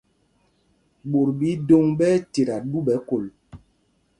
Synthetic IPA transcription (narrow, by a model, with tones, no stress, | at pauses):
ɓo˨ɾɓi˨˦do˦ŋɓɛ˦te˨ɾa˨ɗu˦ɓɛ˨˦ko˨l